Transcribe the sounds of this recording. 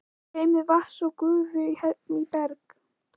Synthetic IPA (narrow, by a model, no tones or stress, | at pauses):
heːjmɪðvahsɔkʏːvʏihɛnit̪ɛɾk